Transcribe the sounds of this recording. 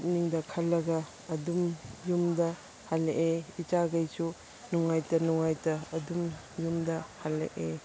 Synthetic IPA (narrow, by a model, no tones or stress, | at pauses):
t̚niŋdɐkʰɐlːɐɡɐː | dumjumdɐ | halːeʔeit͡ʃaɡɐjsu | nuŋajtɐnuŋajtɐːdum | jumdɐhalːḛʔe